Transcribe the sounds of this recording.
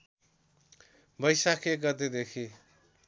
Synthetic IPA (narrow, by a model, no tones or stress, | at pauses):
bʌjsakʰeɡʌt̪ed̪ekʰi